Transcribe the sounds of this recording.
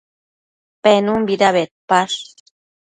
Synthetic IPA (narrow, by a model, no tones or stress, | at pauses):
penumbiɾaβet̪̚paʂ